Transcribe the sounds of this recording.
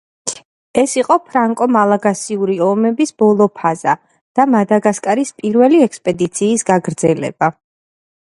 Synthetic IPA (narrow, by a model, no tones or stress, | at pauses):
ɛsiqʼɔpʰɾaŋkʼɔmalˠaɡasiuɾiɔmɛbisb̥ɔlˠɔpʰaz̥a | d̪̥amad̪aɡaskʼaɾispʼiɾvɛliɛkspʼɛd̪it̪sʰiːsɡaɡɾd̪zɛlɛ̰b̥a